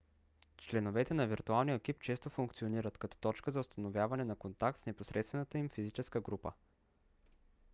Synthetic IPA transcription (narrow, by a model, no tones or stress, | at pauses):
t͡ʃlɛnovɛt̪ɛnɐviɾt̪ualˠnijək̟ip̚t͡ʃɛst̪ofuŋkt̪sioniɾət̪kɐt̪ɔ̥t̪ɔt͡ʃkəzɐʊst̪ɐnovʲjavɐnɛnɐkont̪ak̚t̪snɛposɾʔɛt̪st̪vɛnət̪əimfizit͡ʃɛskəɡɾupə̰